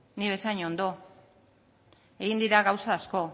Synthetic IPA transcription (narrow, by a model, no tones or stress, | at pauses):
niβe̞saiɲo̞nd̪o̞ | e̞ɣind̪iɾaɣawsaːsko̞